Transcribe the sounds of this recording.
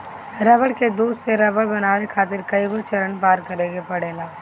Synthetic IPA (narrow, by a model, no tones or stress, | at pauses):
ɾɐbəɽked̪uːd̪seɾɐbəɽbɐnaːʋekʰaːt̪ɪɾkɐibot͡ʃɐɾənpaːɾkɐɾẽːɡepɐɽeːlaː